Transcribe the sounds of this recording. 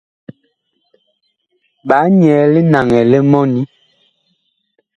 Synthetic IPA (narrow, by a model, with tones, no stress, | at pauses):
ɓa˨˦ɲɛː˨li˦na˨ŋɛ˨lɛ˦mɔ˦ni˦